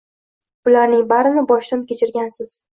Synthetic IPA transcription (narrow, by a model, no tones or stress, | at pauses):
b̥ʊlaɾnɪŋbaɾɪnɪbɒʃd̪ankʲet͡ʃʰɪɾɡʲansɪz̥